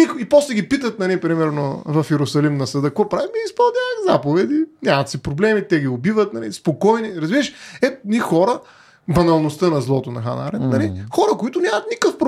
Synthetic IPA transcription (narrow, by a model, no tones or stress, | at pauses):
ikipɔslɛɡipit̪ət̪̚nɐlipɾimɛɾno̰vɐfjɛɾʊsɐlimnɐsɐd̪əkvɔpɾavimiispɐlˠd̪ʲaəzapovɛd̪inʲamɐt̪sipɾoblɛmit̪ɛɡiobivət̪̚nɐlḭspokɔjniɾɐzviəʃɛt̪ʊnixɔɾə | bɐnɐlˠnost̪ənɐzlˠɔt̪onɐ̰xana̰ɾɛnnɐlixɔɾəkoit̪ʊnʲamət̪nikəfpɾ